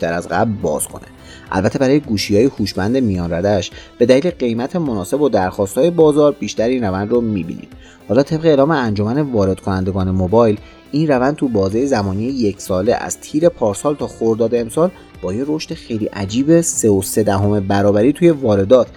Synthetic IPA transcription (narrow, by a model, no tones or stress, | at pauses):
iʃt̪æɾæzɢæ̰blbɒ̰ːz̥kʰo̞̰nḛ | ʔæ̰lbæt̪ʰe̞bæɾɒːjeɡuːʃiːjɒːjehuːʃbænd̪e̞mijɒːnræd̪æʃb̥e̞d̪æliːle̞ɢe̞jmæt̪ʰe̞mo̞nɒːse̞bod̪æɾxɒːst̪hɒːje̞bɒːzɒːɾbiːʃt̪æɾiːnrævænd̪romiːbḭːnḭd̪̥ | hɒːlɒːt̪ʰe̞bɣeːlɒːme̞ænd͡ʒo̞mæne̞vɒːɾed̪̥̚kʰo̞nænd̪eɡɒːne̞mobɒːjl | ʔiːnrævænd̪̚t̪ʰubɒːzejezæmɒːnijeje̞cʰsɒːle̞̰ʔæ̰z̥t̪ʰiːɾe̞pʰɒːɾsɒːlt̪ʰɒːxoɾd̪ɒːd̪eːmsɒːl | b̥ɒːjeɾo̞ʃt̪exe̞jliːʔæd͡ʒiːbe̞seose̞d̪æɦo̞me̞bæɾɒːbæɾiːt̪ʰuːje̞vɒːɾe̞d̪ɒːt̪ʰ